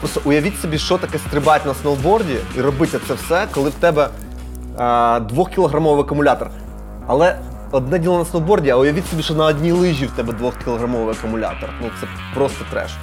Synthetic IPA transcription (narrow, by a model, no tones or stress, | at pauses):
pɾɔst̪ɔʔʊjɐʋʲitʲsʲɔbʲiʃt͡ʃɔt̪ɐkɛst̪ɾɪbatʲnɐsnɔlˠbɔrdʲiirɔbɪtʲɛt̪sɛwsɛkɔlˠɪwt̪ɛbɛ | d̪ʋɔxkʲiɪlˠɔɦɾɐmɔʋɪɐkʊmʊlʲat̪ɔr | ɐlˠɛ | ɔd̪nɛdʲilˠɔnɐsnɔlˠbɔrdʲiɐʊjɐʋʲitʲsɔbʲiʃɔnɐːdʲnʲilˠɪʒʲiwt̪ɛbɛd̪ʋɔxkʲilˠɔɦɾɐmɔʋɪɐkʊmʊlʲa̰t̪ɔrnut̪sɛ | pɾɔst̪ɔt̪ɾɛ̰ʃ